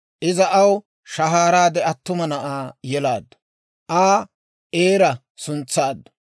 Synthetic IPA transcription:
ʔɪzɐʔɐw | ʃɐɦaːɾaːd̪ɛɐt̪ːʊmɐnɐʔaːjɛlaːd̪ːɐ̥ | ʔaː | ʔeːɾɐ | sʊnt͡sːaːd̪ːɐ̥

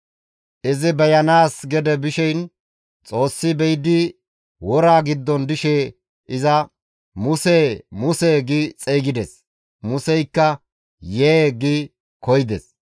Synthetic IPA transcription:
ʔɪzɪbɛjɐnaːsɡɛd̪ɛbɪʃɛjn | t͡sʼo̞ːsːɪbɛjd̪ɪ | wɔɾaːɡɪd̪ːɔnd̪ɪʃeː | ʔɪzɐ | mʊsɛmʊseːɡɪt͡sʼeːɡɪd̪ɛs | mʊsɛjkːɐ | jeːɡɪ | kɔjɪd̪ɛs

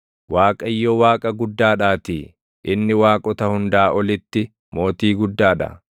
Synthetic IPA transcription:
waːkʼɐjːɔwaːkʼɐɡʊd̪ːaːᶑaːt̪iː | ʔɪnːɪwaːkʼɔt̪ɐhʊnd̪aːʔɔlɪt̪ːɪ | mo̞ːt̪iːɡʊd̪ːaːᶑɐ̰

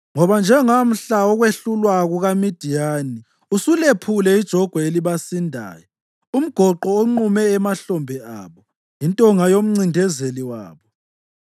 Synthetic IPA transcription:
ŋɔβand͡ʒʱɛŋam̩ɬaɔɣweɬulwaɣuɣamid̥ʱijaːni | usulepʰulɛid̥ʒ̥ʱɔɡ̥ʱwɛeliβasindʱa̰ːjɔ | um̩ɡ̥ʱɔǃɔoŋ͡ǃumɛːmaɬɔmbʱɛa̰βɔ | intʼɔŋajom̩ŋ͡ǀindʱɛzeliwa̰ːβɔ

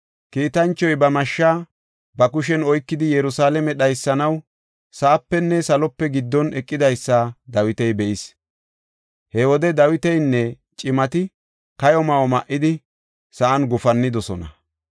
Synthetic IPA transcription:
kiːt̪ɐnt͡ʃːɔjbɐmɐʃːaː | bɐkʊʃ̬ɛnɔjkːɪd̪ɪjɛɾʊsaːlɛmɛɗɐjsːɐnɐw | sɐʔːpːɛnːɛsɐlɔpːɛɡɪd̪ːɔnɛkʼːɪd̪ɐjsːad̪ɐwɪt̪ɛjbɛʔɪs | hɛwɔd̪ɛd̪ɐwɪt̪ɛjnːɛ | t͡ʃʼɪmɐt̪ɪ | kɐjɔmɐwɔmɐʔɪd̪ɪ | sɐʔɐnɡʊfɐnːɪd̪ɔsɔnɐ̰

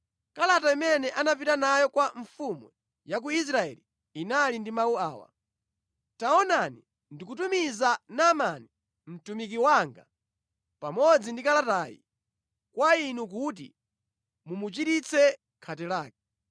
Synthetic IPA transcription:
kalataimɛnɛʔanap̬itanajɔkwaɱfumu | jak̬uis̬ɾaɛ̰li | inalindimawuaːwa̰ | taɔnani | ndikutumizanamani | m̩tumik̬iwaŋɡa | pamɔd͡zindikalataːjḭ | kwainuk̬ut̬ḭ | mumut͡ʃitit͡sʰɛ | kʰatɛlaːk̚ɛ

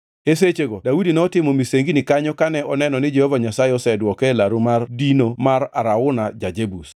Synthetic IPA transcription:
es̬et͡ʃeɡodawudinɛɔtɪmɔmiseŋɡinɪkaɲɔkanɛɔnɛnɔnɪd͡ʒehovaɲasajɪɔsɛdwɔkɛlaɾumardinomaɾaɾaʊnad͡ʒad͡ʒebus

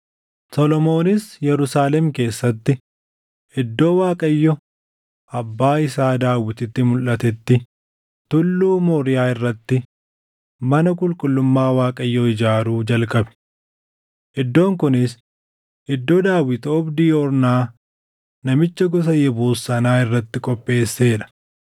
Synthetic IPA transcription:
sɔlɔmo̞ːnɪsjɛɾʊsaːlɛmke̞ːsːɐt̪ːɪ | ʔɪd̪ːo̞ːwaːkʼɐjːɔ | ʔɐbːaːɪsaːd̪aːwɪt̪ɪt̪ːɪmʊlʔɐt̪ɛt̪ːɪ | t̪ʊlːuːmoːɾɪjaːɪrːɐt̪ːɪ | mɐnɐkʼʊlkʼʊlːʊmːaːwaːkʼɐjːɔɪd͡ʒaːɾuːd͡ʒɐlkʼɐbɛ̥ | ʔɛd̪ːo̞ːŋkʊnɪs | ɪd̪ːoːd̪aːwːɪt̪ɔbd̪iːɔɾnaː | nɐmɪt͡ʃːɐɡɔs̬ɐjɛbuːsɐnaːɪrːɐt̪ːɪkʼɔpʼːe̞ːsːe̞ːᶑɐ̥

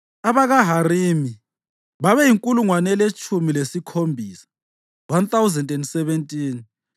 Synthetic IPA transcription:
aβaɣaɦariːmi | βaβɛjiŋkʼuluŋwanɛlet͡ʃʼumilesikʰombʱiːsḁ | want̪awzɛndɛndsɛβɛntʼiːn

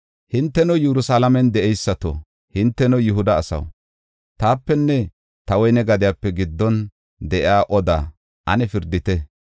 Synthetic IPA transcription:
hɪnt̪ːɛnɔjɛɾʊsalɐmɛnd̪ɛʔɛjsːɐt̪o̰ | hɪnt̪ːɛnɔjʊɦʊd̪ɐːsɐ̰w | t̪aːpːɛnːɛ | t̪ɐwɔjnɛɡɐd̪ɪjaːpːɛɡɪd̪ːɔn | d̪ɛʔɪaːʔɔd̪a̰ː | ʔɐnɛfɪɾd̪ɪt̪ɛ

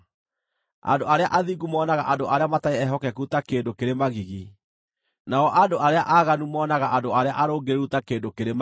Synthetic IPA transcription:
a̰ndoaɾeaʔaðiɡumɔːnaɣa̰ʔadoʔaɾeamataeɛɦɔkɛkutakeːndokeɾemaɣiɣi | naɔʔandoʔaɾeaʔaɣanumɔːnaɣaʔandoaɾeaʔaɾoːɡeɾeutakeːndokeɾem

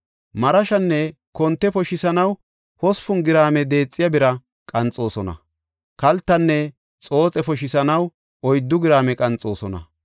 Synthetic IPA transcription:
mɐɾɐʃɐnːɛ | kɔnt̪ːɛpɔʃɪsɐnɐw | hɔspʊnɡɪɾaːmɛd̪e̞ːt͡sʼːɪjɐbɪɾɐ | kʼɐnt͡sʼo̞ːsɔnɐ̰ | kɐlt̪ːɐnːɛ | t͡sʼo̞ːt͡sʼɛpɔʃɪsɐnɐw | ɔjd̪ːʊɡɪɾaːmɛkʼɐnt͡sʼo̞ːsɔnɐ̰

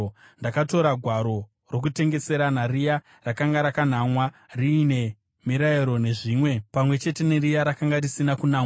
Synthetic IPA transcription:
ndakato̞ɾaɡʱwaɾo̞ | ro̞k̬ute̞ŋɡe̞se̞ɾanarija | rakaŋɡaɾakan̤amwariːne̞ | miɾaeɾo̞ne̞ʐiːmwe̞pamwe̞t͡ʃe̞te̞neɾijaɾakaŋɡarisinakunaːŋ

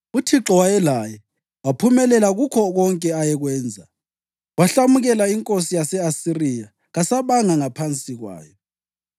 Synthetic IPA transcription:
utʰiǁɔwajɛlajɛ | wapʰumɛlɛlaɣukʰɔɣɔŋkʼɛajɛɣwɛːnd͡zʱa | waɬamuɣɛlaiŋkʼosijasɛasirija | ɣasaβaŋaŋapʰant͡sʼiɣwa̰ːjɔ

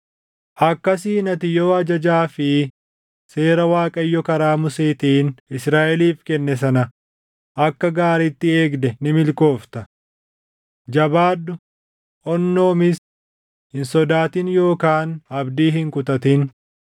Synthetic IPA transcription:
ʔɐkːɐsiːnɐt̪ɪjoːɐd͡ʒɐd͡ʒaːfɪ | se̞ːɾɐwaːkʼɐjːɔkɐɾaːmʊseːt̪iːnɪsɾaːʔɛliːfkɛnːɛs̬ɐnɐ | ʔɐkːɐɡaːɾit̪ːɪe̞ːɡd̪ɛnɪmɪlko̞ːft̪ɐ | d͡ʒɐbaːd̪ːʊ | ʔɔnːo̞ːmɪs | hɪnsɔd̪aːt̪ɪnjo̞ːkaːnɐbd̪iːɦɪŋkʊt̪ɐt̪ɪn

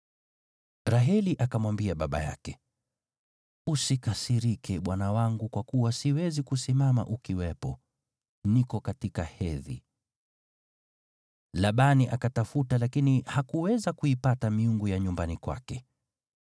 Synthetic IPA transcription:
ɾaɦɛliʔakamwambiaɓaɓa̰ja̰kɛ | usikasiɾikʰɛɓwanawaŋɡukwakuwasiwɛzikusimama̰ʔukiwɛpɔ | nikɔkatikahɛðḭ | laɓaniʔakatafutalakinihakuwɛzakuipatamiuŋɡujaɲumbanikwa̰kɛ

